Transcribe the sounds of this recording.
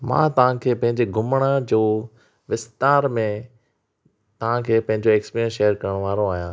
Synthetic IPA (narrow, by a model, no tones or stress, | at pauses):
mã̰ːt̪ɐʋ̤ãkʰeːpɐ̃ɦɪ̃ɲd͡ʑeɡʱʊmɽ̃ad͡ʑoː | ʋɪst̪aːɾmẽ | t̪ɐʋ̤ãkʰeːpɐ̃ɦɪ̃ɲd͡ʑoeːkspiːɾijə̃nsʃeːəɾkɐɾəɽ̃ʋaːɾoaːɦijãː